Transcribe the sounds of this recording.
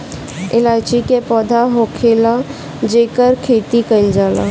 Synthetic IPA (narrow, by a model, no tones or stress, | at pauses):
ɪlaːt͡ʃikepɔːd̪ʱaɦokʰela | d͡ʒeːkəɾkʰeːt̪ikənd͡ʒaːla̰